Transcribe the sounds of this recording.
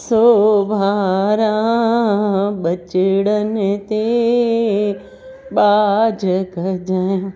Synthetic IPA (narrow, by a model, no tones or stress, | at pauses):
sobʱaɾã | ɓɐt͡ʃɪɽənɪt̪e | ɓaːd͡ʒʱəkəd͡ʒaːjãː